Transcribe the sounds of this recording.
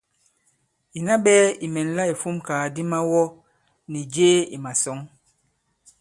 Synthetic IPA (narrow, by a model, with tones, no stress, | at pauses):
i˨na˦ɓɛː˦i˨mɛ˨nla˦i˨fu˦mkaː˨di˦ma˦wɔ˦ | ni˨d͡ʒeː˦ḭ˨ma˨sɔ˨˦ŋ